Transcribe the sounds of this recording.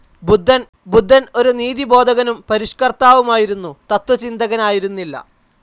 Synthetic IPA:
bud̪ʱːɐn | bud̪ʱːɐno̞ɾuniːðibo̞ːd̪ʱɐɣɐnumpɐɾiʂkɐrt̪aːʋumaːjiɾunːut̪ɐt̪wɐt͡ɕind̪ɐɣɐnaːjiɾunːilːɐ̰

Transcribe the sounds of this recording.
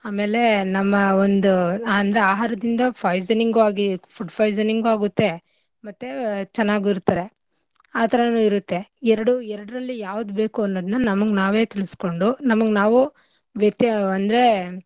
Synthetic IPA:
aːme̞ːle̞nɐmːɐond̪uaːɐnd̪ɐɾeaːɦaːɾɐd̪ind̪ɐpʰɐjzɐniŋɡuaːɡipʰuɖpʰɐjzɐniŋɡuaːɡut̪ːe̞ | mɐt̪ːet͡ʃɛnːaːɡuiɾut̪ːɐːɾe̞ | aːt̪ʰɐɾɐnuːiɾut̪ːe̞ɛɾɐɽuɛɾɐɽɾɐlːijaːʋud̪ube̞ːkuɐnːoːd̪unːɐnɐmɐɡenaːʋe̞ːt̪ilisko̞ɳɖunɐmɐɡenaːʋu | ʋjɐt̪ːjɐɐnd̪ɐɾe̞

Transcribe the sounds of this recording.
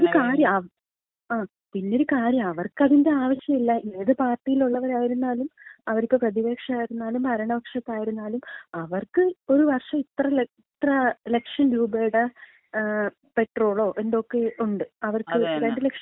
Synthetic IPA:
oɾukaːɾjɐmɐ | aː | pinːeo̞ɾukaːɾjɐmɐʋɐrkɐðinde̞aːʋɐɕjɐmilːɐʔeːðɨpaːrʈːijiluɭːɐʋɐɾaːjiɾunːaːlumɐʋɐɾipʲːoːprɐðiʋe̞ːkʂɐaːjiɾunːaːlumɐɾɐɳɐbɐkʂɐt̪ːaːjiɾunːaːlumɐʋɐrkɨo̞ɾuʋɐrʂɐit̪rɐit̪rɐlekʂɐnɾuːbeːɽɐ | pe̞ʈro̞ːɭo̞ːʔe̞nd̪o̞ːkːe̞uɳɖɨɐʋɐrkɨɾeɳɖɨlekʂɐ

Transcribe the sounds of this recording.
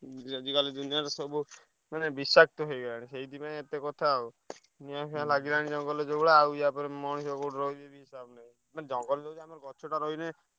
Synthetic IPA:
ad͡ʒikalid̪unijaɾɔsɔbu | manebisak̚t̪ɔɦejɡɔlaɽ̃iseid̪ipaẽet̪ekɔt̪ʰau | niãkʰãlaɡilaɽ̃id͡ʒɔŋɡɔled͡ʒobɽaːujapɔɾemɔɽ̃sɔkoʈɾɔid̪ebiɦisabnaj | maned͡ʒɔŋɡɔld͡ʒɔud͡ʒamɔɾkɔt͡ʃʰoʈaɾɔine

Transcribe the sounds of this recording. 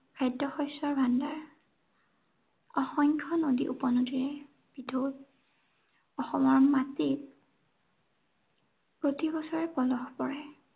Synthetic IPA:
kʰajdɔxɔjsɔɹbʱandaɹ | ɔxɔŋkʰɔnodḭʔupɔnodiɹɛ | b̥idʱod | ɔxɔmɔɹmatit | pɹotibɔsɔɹɛpɔlɔxpɔɹɛ

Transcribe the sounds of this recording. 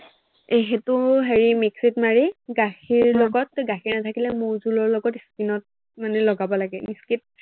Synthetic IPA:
eɦɛtʊɦeɹimiksitmaɹiɡaxiɹlɔɡɔt̚ɡaxiɹnatʰakilɛmuɹzulɔɹlɔɡɔtiskinɔt̚ | manɛlɔɡabɔlaɡɛmiskit̚

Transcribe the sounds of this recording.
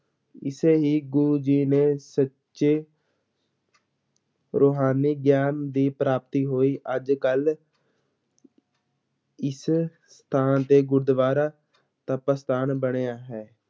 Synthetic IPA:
ɪseːɦiːɡuːd͡ʒiːneːsə | t͡ʃʃeː | ɾoːɦaːniːɡjaːnd̪iːpɾaːp̚t̪iːɦoːiːʔəd͡ʒkəl | ɪs | st̪ʰaːnt̪eːɡʊɾd̪ʋaːɾaː | t̪əpəst̪aːnbəɽ̃eːaːɦɛː

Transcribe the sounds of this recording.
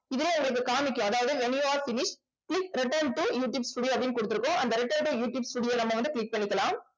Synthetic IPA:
ɪðɪleːʊ̃ŋɡɐɭɯk̬ːɯkaːmɪkʲːʊ̃ɐðaːʋɐðɯʋɛnjaːɾfɪnɪʂ | kɭɪkɾɪʈɐɾɳʈujuːʈjuːbsʈuːɽɪjoːɐpːɐɽɪnɯkɔɽɯt̪ːɯɾɯkːʊ̃ʔɐnd̪ɐɾɪʈːɐɾɳʈujuːʈjuːbsʈuːɽɪjoːnɐmːɐʋɐnd̪ɯkɭɪk̚pɐɳːɪkːɐlãːm

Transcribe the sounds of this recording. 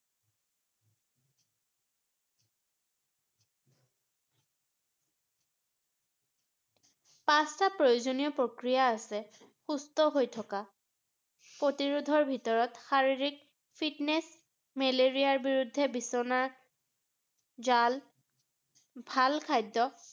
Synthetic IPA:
pãstapɹojozonijɔpɹokɹijaːsɛ | xustɔɦojtʰɔka | pɹotiɹudʱɔɹbʱitɔɹɔtxaɹiɹik̚ | pʰitnɛs | mɛleɹijaɹbiɹudʱːɛbisɔna | zal | bʱalkʰajdːɔ

